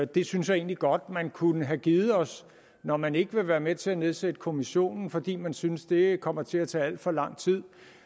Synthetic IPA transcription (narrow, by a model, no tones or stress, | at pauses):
d̥e̝synsjɑ̈e̝ːnliɡ̥ɒ̽d̥̚mænkʰunəɦæɡ̥iːð̩ˠɒ̽s | nɒmæne̝ɡ̥əʋe̝ʋæːɐmet͡sʰe̝æne̝ð̞ˠsed̥əkʰo̝miɕo̝̰ːnn̩fɒ̽d̥ḭːmænsynsd̥e̝kʰɒ̽m̰ɐt͡sʰe̝æt͡sʰɛ̰ːæl̰d̥fɒ̽lɑ̈ŋ̰t͡sʰið̰ˠ